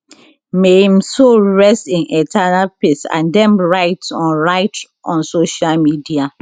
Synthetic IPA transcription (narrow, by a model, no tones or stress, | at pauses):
mehĩmsoɹɛstĩnɛtʰanalpesã̰ndɛ̃mɹaɪtɔ̃nɹaɪt | ʔɔ̃nsoʃalmidia